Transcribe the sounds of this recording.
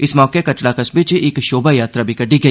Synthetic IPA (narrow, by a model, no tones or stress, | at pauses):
ɪsmɔːkekɐt͡ʃɽakɐsbɪt͡ʃɪkʃoːbajaːt̪ɾabʱikɐɖiɡɐ